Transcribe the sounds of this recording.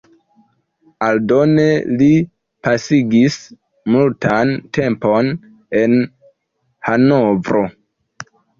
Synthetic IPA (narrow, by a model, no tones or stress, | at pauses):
aldo̞ne̞li | pasiɡis | multante̞mpo̞n | e̞n | hano̞vɾo̞